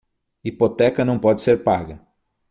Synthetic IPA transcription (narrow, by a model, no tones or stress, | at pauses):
ipot̪ɛkɐnɐ̃w̃pɔd͡ʒɪseɾpaɡɐ